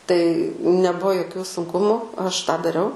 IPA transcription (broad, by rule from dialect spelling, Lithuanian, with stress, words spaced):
tɐɪ nʲɛˈbuɔ joːˈkʲuː sʊŋˈkʊmʊ ˈɐʃ tɑː dɐˈrʲɛʊ